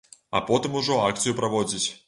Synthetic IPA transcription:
a̰pɔt̪ɨmuʐɔakt̪sɨjupɾaʋɔd͡zʲit͡sʲ

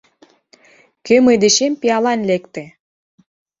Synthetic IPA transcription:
kømɤjd̪eʃempiɑlɑnlekt̪ĕ

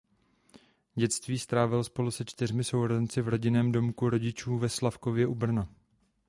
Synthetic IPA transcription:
ɟɛt̪t͡st̪viːst̪ɾaːvɪlspo̞lusɛt͡ʃt̪ɪrmɪso̞wɾozɛnt͡sɪvɾo̞ɟɪnɛːmdo̞mkuɾo̞ɟɪt͡ʃuːvɛslafkovjɛʔubr̩na

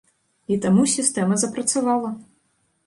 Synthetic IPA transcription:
it̪amusʲist̪ɛmɐzɐpɾɐt̪savalˠɐ

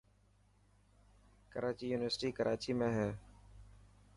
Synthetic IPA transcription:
kəɾaːt͡ʃiːjuːnɪʋəɾsʈiːkəɾʔaːt͡ʃiːmẽːɦɛː

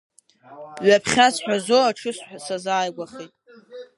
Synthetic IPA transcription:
ɥapʰχʲasħʷᶣazoaʈ͡ʂʰɨsħʷasazaːjɡʷaχitʼ

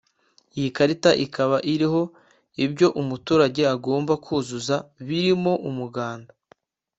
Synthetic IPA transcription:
ijikaɾitaʔikaβaʔiɾiɦo̞ | ibɟo̞ʔumutuːɾaɟe̞aɡo̞ːmbakʰuːzuzaβiɾimo̞ʔumuɡaːnda

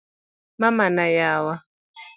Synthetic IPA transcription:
mamanajawa

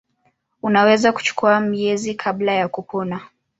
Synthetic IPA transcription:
unawɛzaku̥t͡ʃu̥kuamiɛzikʰablajakupɔna

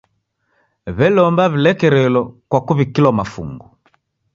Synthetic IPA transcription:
βɛlɔmbaβilɛkɛɾɛlɔkwakuβikilwamafṵŋɡu

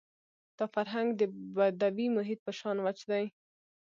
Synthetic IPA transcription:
d̪̥ɑfaɾɦaŋɡd̪əbad̪awimʊɦɪt̪̚pəʃɑnwat͡ʃd̪aj

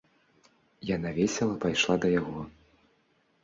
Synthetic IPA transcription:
janavʲɛsʲɛlˠɐpajʂlˠad̪ɐjaɣɔ

